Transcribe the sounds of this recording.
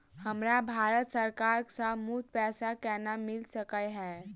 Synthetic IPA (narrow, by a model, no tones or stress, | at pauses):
həmɾabʱaːɾət̪səɾkaːɾksamud̪̚pɛːsakɛːnamɪlsəkəɦɛː